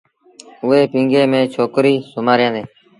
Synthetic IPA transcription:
ʊʋeːpĩːŋɡeːmẽːt͡ʃʰoːkɾiːsʊmaːɾjãːd̪eː

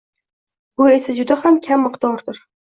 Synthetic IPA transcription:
bʊe̞sad͡ʒʊd̪ahamkʲʰamːɨqd̪ɒɾd̪ʊɾ

